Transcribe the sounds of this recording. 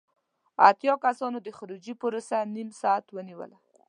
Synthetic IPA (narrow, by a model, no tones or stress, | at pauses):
a̰t̪jɑkasɑnod̪əxʊɾud͡ʒipəɾosanimsɑat̪wəniwə̰la